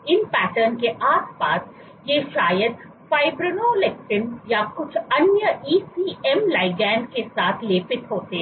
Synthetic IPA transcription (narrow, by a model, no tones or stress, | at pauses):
ɪnpɛːʈəɾnkeʔaːspaːs | jeʃaːjəd̪ | faːɪbɾənolek̚ʈɪnjakʊt͡ʃʰɐnjəiːsiːɛmlaːɪɡɛːnkesaːt̪ʰleːpɪt̪ɦoːt̪eɦɛ̃